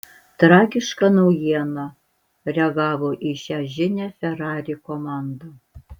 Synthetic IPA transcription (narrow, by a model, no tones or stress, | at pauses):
t̪ɾɑːɡʲɪʃkɐnɐʊjiɛnɐ | ɾʲɛɐɡɑːʋoːʔiʃʲæʒʲɪnʲɛfʲɛɾɑːɾʲɪkomɑnd̪ɐ